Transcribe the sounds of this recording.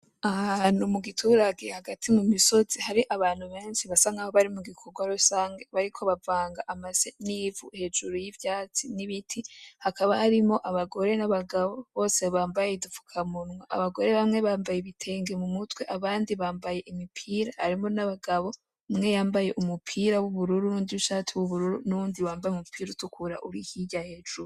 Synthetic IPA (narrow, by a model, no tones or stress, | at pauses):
ahanumuɡitʰuːɾaɡe̞haɡatʰimumiso̞z̥ihaɾiʔaβaːn̥huβe̞ːnsiβasaŋɡahoβaɾimuɡikʰoɡwaɾusaːŋɡe̞βaɾikʰo̞βavaːŋɡaʔamazenivuhe̞ːd͡ʒuɾojivjaːt͡siniβitʰihakaβahaɾimo̞ʔaβaɡo̞ɾe̞naβaɡaβo̞βo̞ːse̞βaːmbajeidufu̥kʰamunŋaʔa̰βaɡo̞ɾe̞βamŋe̞βaːmbajeβitʰe̞ːŋɡe̞mumutwe̞ʔaβaːndiβaːmbaje̞ʔimipʰiːɾahaɾimo̞naβaɡaβo̞ | mŋe̞jaːmbaje̞ʔumupʰiɾawuβuɾuɾuɾuːndiuʃaːtʰiwuβuɾuɾunuβuːndiβaːmbajeumupʰiːɾutukʰuɾa̰ʔṵɾihiɟahe̞ːd͡ʒuɾu